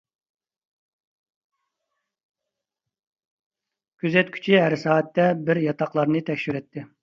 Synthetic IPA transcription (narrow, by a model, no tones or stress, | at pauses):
kʲʰyzɛt̪kʲʰy̥t͡ʃʰiɦæɾsɑːɛt̪ːɛbɪɾjɑt̪ʰɑqlˠɑɾnɨt̪ʰɛkʲʃyɾɛt̪ʰːɪ